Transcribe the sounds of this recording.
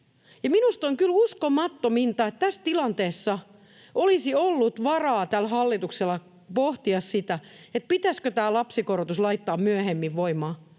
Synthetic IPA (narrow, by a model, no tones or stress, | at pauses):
jɑminust̪oŋkyluskomɑt̪ːomint̪ɑet̪t̪æst̪ilɑnt̪eːsːɑ | olisiolːut̪ʋɑrɑːt̪ælhɑlːit̪ukselːɑ | poht̪iɑssit̪æet̪̚pit̪æskøt̪æːlɑpsikorot̪uslɑit̪ːɑːmmyøhemːiʋʋoimɑː